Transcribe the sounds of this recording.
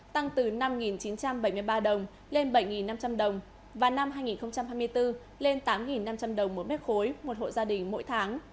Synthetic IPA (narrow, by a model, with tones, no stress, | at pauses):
t̪a˧ŋt̪ɨ˨˩na˧mŋi˨˩nt͡ɕi˨˦nt͡ɕa˧mɓə˧˩jmɨ˧əjɓaː˧ɗə˨˩wŋ͡m | le˧nɓə˧˩jŋi˨˩nːa˧mt͡ɕa˧mɗə˨˩wŋ͡m | vaː˨˩na˧mhɦaː˧jŋi˨˩nxə˧wŋ͡mt͡ɕa˧mhaː˧jm˧əjt̪ɨ˧ | le˧nt̪aː˨˦mŋi˨˩nːa˧mt͡ɕa˧mɗə˨˩wŋ͡mmo˨˦mɛ˦˥t̚xo˨˦jmo˨˩t̚ho̰˧˨zaː˧ɗï˨˩ŋ̟mo̰˧˥jt̪ʰaː˨˦ŋ